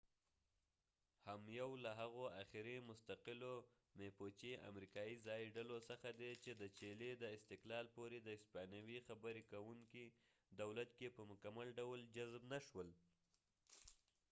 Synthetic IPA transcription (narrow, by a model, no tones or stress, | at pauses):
hamjawlaɦaɣoaxɪɾemʊst̪aqɪlo | mepot͡ʃia̰mɾikɑjizɑjiɖalosəxad̪et͡ʃed̪ət͡ʃeled̪əɪst̪ɪqlɑlpoɾed̪əɪspanawixabəɾekawuŋki | d̪awlat̪̚kepəmʊkamalɖawld͡ʒazbnaʃwəl